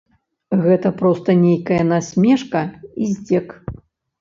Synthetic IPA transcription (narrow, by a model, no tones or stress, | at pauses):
ɣɛt̪ɐpɾɔst̪ɐnʲejkɐjɐnasʲmʲɛʂkɐizʲd͡zʲɛk